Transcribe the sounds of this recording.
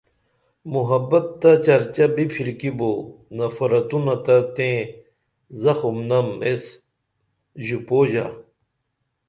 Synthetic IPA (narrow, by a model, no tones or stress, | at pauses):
muɦɐbɐt̪t̪ːɐt͡ɕɐɾt͡ɕɐbipʰilkibonɐfɐɾɐt̪unɐt̪ɐt̪ẽ | zɐxumnɐmes | ʑupoːʑa̰